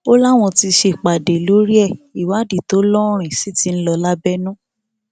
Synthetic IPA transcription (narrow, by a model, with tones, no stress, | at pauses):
o˦la˦˨w̃ɔ̃˧ti˧ʃe˧˨k͡pa˨de˨lo˨˦ɾi˦ɛ˦˨i˨wa˨˦di˨to˨˦lɔ˦ɾ̃ĩ˨si˨˦ti˧n̩˦lɔ˧la˦bɛ˦nũ˦